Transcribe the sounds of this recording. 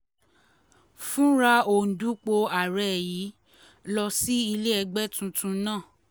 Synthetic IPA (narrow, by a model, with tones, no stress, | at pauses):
fũ˦ɾa˧o˨n̩˨du˨˦k͡po˧a˨ɾɛ˨ji˨˦ | lɔ˧si˦i˧le˦ɛ˧ɡ͡bɛ˦tũ˧tũ˧˦nãː˦˨